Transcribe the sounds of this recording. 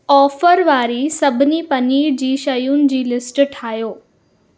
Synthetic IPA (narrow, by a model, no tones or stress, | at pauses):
ɔːfəɾʋaːɾisɐbʱɪnipɐniːɾd͡ʑiːʃɐjunɪ̆d͡ʑiːlɪsʈʈʰaːjoː